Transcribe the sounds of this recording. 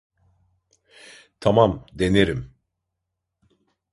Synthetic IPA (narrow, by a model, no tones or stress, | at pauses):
t̪ʰamamd̪e̞neɾim